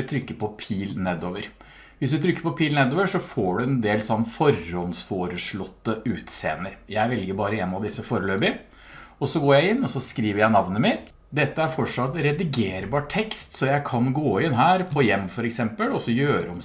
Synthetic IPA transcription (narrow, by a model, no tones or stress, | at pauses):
t̪ʰɾʏkːəpɔpʰiːlnɛd̪oːʋəɾ | ʋɪsd̪ʉt̪ʰɾʏkːə̥pɔpʰiːlnɛd̪oːʋəʂɔfoːɖʉɛnd̪eːlsɔnːfɔɾːɔnsfoːɾəʂɭɔt̪ːəʉːt̪sḛːnəɾjæɪʋɛlɡəɾbɑːɾəɛnɑʋd̪ɪsːəfoːɾəløːbɪ | ɔsɔɡoːjæɪɪnːɔsɔskɾiːʋəɾjæɪnɑʋnəmɪt̪ | d̪ɛt̪ːəæɾfɔʈʂɑt̪ːɾɛd̪ɪɡeːɾbɑːʈʰɛkst̪sɔjæɪkʰɑnɡoːɪnɦæːɾpʰɔjɛmːfɔɾɛksɛmpəlɔsːɔjøːɾəɔm